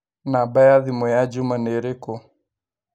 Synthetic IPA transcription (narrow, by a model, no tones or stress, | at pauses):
nabajaðimɔjad͡ʒumanɛɾɛkɔ